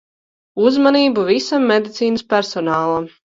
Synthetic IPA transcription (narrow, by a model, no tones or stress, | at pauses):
uzmaniːbuvisamːed̪it̪siːnɨspʲæɾsɔnaːlˠam